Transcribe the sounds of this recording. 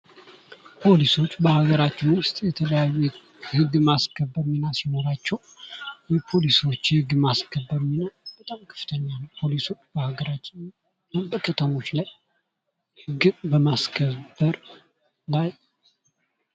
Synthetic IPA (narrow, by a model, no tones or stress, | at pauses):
pʰo̞liso̞t͡ʃːbəhaɡəɾat͡ʃːɪnwʊst̪ʼjɛt̪ʰələjaju | hɨɡːmaskʰəbːəɾminasino̞ɾat͡ʃːɛw | jɛpʰo̞lisot͡ʃːhɨɡːmaskʰəbːəɾminab̥ət̪ʼamkʰɨ̥ft̪ʰəɲːanəwpʰo̞liso̞t͡ʃːbəhaɡəɾat͡ʃːɪn | bəkʰʼət̪ʰəmo̞t͡ʃːlaj | hɨɡbəmaskʰəbəɾ | laj